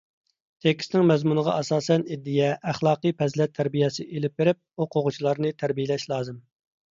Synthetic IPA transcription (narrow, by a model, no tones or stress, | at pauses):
t̪ʰekʲsnɪŋmɛzmunəʁɑ̰ʔɑsɑːsɛnid̪ːijɛʔæχlˠɑːqɨjpʰɛzlɛt̪ʰːæɾbijɛsɪʔelɪp̚beɾɪp̚uqʰoʁʊt͡ʃʰilˠɑɾnɨt̪ʰæɾbijelɛʃlˠɑːzɨm